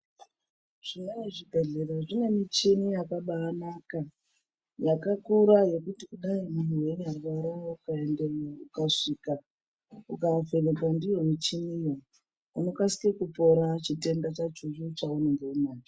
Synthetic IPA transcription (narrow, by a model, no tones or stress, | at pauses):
ʐ̥inaneʐibʱeɮeɾaʐine̞mit͡ʃinijakaɓaːnaka | jakakuɾaje̞kutikuɗaimun̤uwe̞ɲarʋaɾaoukaendeukaʂika | ukave̞nekwandijo̞mit͡ʃinijo | uno̞kasi̥kekupo̞ɾat͡ʃite̞ndat͡ʃat͡ʃuʐut͡ʃauneŋɡeumaːni